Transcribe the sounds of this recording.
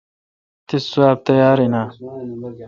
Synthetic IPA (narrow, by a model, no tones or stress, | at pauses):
t̪ʰisuwaːb̚t̪ɐjaːɾina